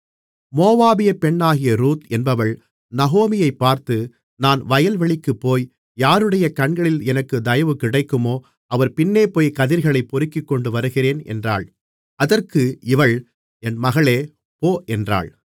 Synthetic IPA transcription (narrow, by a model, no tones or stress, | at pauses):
moːʋaːbɪjɐpɛɳːaːɣɪjɐɾuːt̪ɛnbɐʋɐɭ | nɐɣoːmɪjɐɪpːaːɾt̪ɯ | naːnʋɐjɐlʋɐɭɪkːɯpːoːj | jaːɾɯɽɐjɐkɐɳɡɐɭɪlɛnɐkːɯd̪ɐjɐʋɯkːɪɽɐɪkːɯmoː | ɐʋɐɾpɪnːeːpoːjkɐðɪɾɣɐɭɐɪpːɔɾɯkːɪkːɔɳɖɯʋɐɾɯɣɪreːnɛ̰ndra̰ːɭ | ɐðɐrkɯɪʋɐɭ | ɛnmɐɣɐɭeː | poːʔɛndra̰ːɭ